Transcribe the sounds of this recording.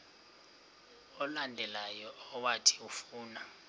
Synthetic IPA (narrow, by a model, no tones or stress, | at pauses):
ɔlandʱɛlajɔɔwatʰi̥ufuːna